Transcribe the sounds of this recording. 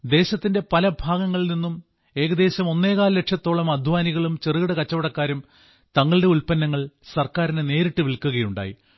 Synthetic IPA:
d̪e̞ːɕɐt̪ːinde̞pɐlɐbʱaːɡɐŋːɐɭilninːum | e̞ːɣɐd̪e̞ːɕɐmo̞nːe̞ːɣaːlle̞ʈʂɐt̪ːo̞ːɭɐmɐd̪ʱʋaːniɣɐɭumt͡ɕeriɣɐɽɐkɐt͡ɕːɐʋɐɽɐkːaːɾum | t̪ɐŋːɐɭɨɽe̞ulpɐnːɐŋːɐɭsɐrkaːɾinene̞ːɾiʈːɨʋilkːuɣɐjuɳɖa̰ːjḭ

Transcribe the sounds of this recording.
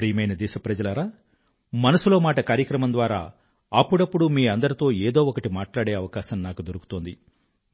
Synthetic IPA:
pɾiːjmɐjnɐd̪ɛːʃɐpɾɐd͡ʒɐlɐɾaː | mɐnɐsulo̞ːmaːʈɐkaːɾjɐkɾɐmɐmnd̪ʋaːɾa̰ː | ɐpːuɽɐpːuɽumiːɐnd̪ɐɾit̪o̞ːeːd̪o̞ːɔkɐʈimaːʈlaːɽeːɐʋɐkaːʃɐmnaːkud̪oɾuku̥t̪oːnd̪i

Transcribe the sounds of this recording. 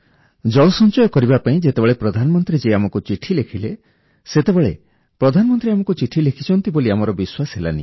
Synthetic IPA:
d͡ʒɔɭɔsɔnt͡ʃɔjɔkɔɾibapaĩd͡ʒet̪ebeɭepɾɔd̪ʱanɔmɔnt̪ɾid͡ʒeamɔkut͡ʃiʈʰilekʰile | set̪ebeɭḛ | pɾɔd̪ʱanɔmɔnt̪ɾiamɔkut͡ʃiʈʰilekʰi̥t͡ʃʰɔnt̪iboliamɔɾɔbiswasɦela̰nḭ

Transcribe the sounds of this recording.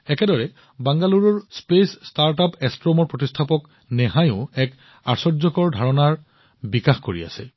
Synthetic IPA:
ɛkɛdɔɹɛ | baŋɡaluɹɔɹspesːtaɹtapɛstɹɔmɔɹpɹotistʰapɔk | nɛɦajʊ̃ɛk | aɹsɔɹzɔkɔɹdʱaɹɔnaɹ | bikaxkoɹia̰sɛ̰

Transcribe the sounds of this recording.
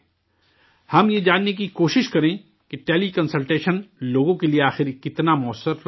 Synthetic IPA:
hɐmjed͡ʒaːnːek̬ikoːʃɪʃkɐɾẽː | keʈeːlikɐ̃nsəlʈeːʃənloːɡõkelieaːxɪɾkɪt̪namʊəsəɾ

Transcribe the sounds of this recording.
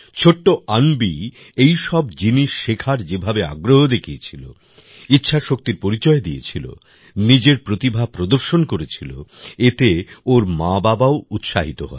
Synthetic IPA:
t͡ɕʰoʈːoanbi | ejʃɔbd͡ʑiniʃːekʰaɾd͡ʑebʱabea̰ɡɾoɦod̪ekʰiet͡ɕʰilo̰ | itːɕʰaʃok̚t̪iɾpoɾit͡ɕɔed̪ijḛt͡ɕʰilo̰ | nid͡ʑeɾpɾot̪ibʱapɾod̪oɾʃonkoɾet͡ɕʰilo̰et̪eoɾmababaout̪ʃaɦit̪oɦɔ̰e

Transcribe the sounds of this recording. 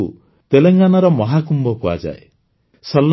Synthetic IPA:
u | t̪eleŋɡanaɾɔmɔɦakumbɔpua̰d͡ʒa̰ḛ | sʌlː

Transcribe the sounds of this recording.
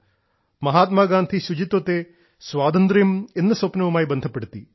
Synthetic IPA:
mɐɦaːt̪maːɡaːnt̪ʰisud͡ʑit̪ɐt̪eː | sʋaːd̪ɐnd̪ɾijmenːɐsoːpnɐʋumaːjibɐnd̪ʱɐpːeɽut̪ːi

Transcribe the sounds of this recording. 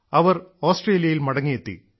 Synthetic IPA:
ɐʋɐroːsʈreːlijɐjilmɐɽɐŋːijet̪ːḭ

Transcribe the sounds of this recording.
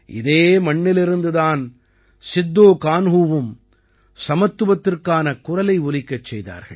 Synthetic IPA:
ʔɪ̰ðeːmɐɳːɪlɪɾɯnd̪ɯðaːn | sɪd̪ːoːkaːnɦuːʋɯm | sɐmɐt̪ːɯʋɐt̪ːɪrkaːnɐkʊrɐlɐɪʊlɪkːɐt͡ʃːɛjða̰ːɾɣɐ̰ɭ

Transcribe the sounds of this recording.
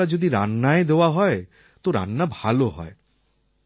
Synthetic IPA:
ad͡ʑod̪iɾa̰nːaed̪eoaɦɔe | t̪oɾa̰nːabʱaloɦɔ̰e

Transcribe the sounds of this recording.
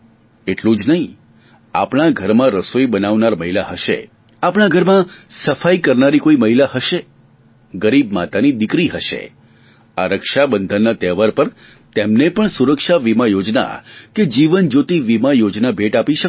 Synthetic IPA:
eʈlũd͡ʒnəɦĩ | a̰pɽ̃aɡʱəɾmãɾəsoibənaʋnaɾməɦilaɦəʃḛ | apɽaɡʱəɾmãsəfaikəɾnaɾikoiməɦilahəʃe | ɡəɾib̚mat̪anid̪ɪkɾiɦəʃḛ | aɾəkʃabənd̪ʱənːat̪ɛʋəɾpəɾ | t̪emnepəɳsuɾəkʃaʋimajod͡ʒna̰ked͡ʒiʋənd͡ʒot̪iʋimajod͡ʒnabʱeʈapiʃə

